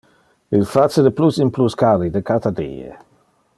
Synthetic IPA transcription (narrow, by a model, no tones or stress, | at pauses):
ilfat͡sədəplusimpluskalid̪əkat̪ad̪ḭːə̰